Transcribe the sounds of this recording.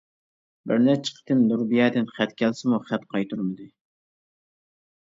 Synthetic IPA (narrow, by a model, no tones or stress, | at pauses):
bɪɾnɛt͡ʃʰə̥qʰə̥t̪ʰɨmnuɾbijɛːd̪ɪnχɛt̪kʲʰɛlsɪmuχæt̪qʰɑjt̪ʰuɾmɨd̪ɨ